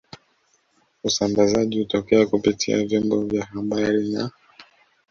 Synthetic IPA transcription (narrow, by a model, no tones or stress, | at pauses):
usambazaʄihutɔkɛakupitʰia̰vjɔmbɔvjahaɓaɾina